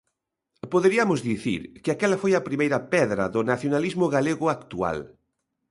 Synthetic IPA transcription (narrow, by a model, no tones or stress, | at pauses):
poðeɾiɐmʊzðiθḭɾkɪakɛlɐfojɐpɾimejɾɐpɛðɾɐðʊnaθjonalizmʊɣaleɣʊakt̪ua̰l